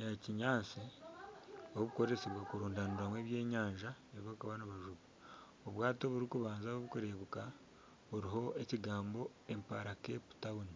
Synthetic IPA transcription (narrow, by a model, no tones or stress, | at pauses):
jaciɲaːt͡si | oββuko̞ɾeseβwakuɾuːndanuɾamweːβje̞ːɲaːɲʒa | eɾiβoβukaβanaβaʒuβu | oβwaːtoβuɾikuβaːnzaβoβukuɾeβuka | uɾiɦo̞eciɡaːmbo̞ | e̞mpaɾake̞pu̥tauni